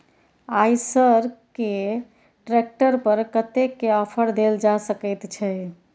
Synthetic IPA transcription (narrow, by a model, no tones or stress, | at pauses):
ajsəɾke | ʈɾek̚ʈəɾpəɾkət̪ekːeəpʰəɾd̪eld͡ʒasəkəjt̪t͡ʃʰɛ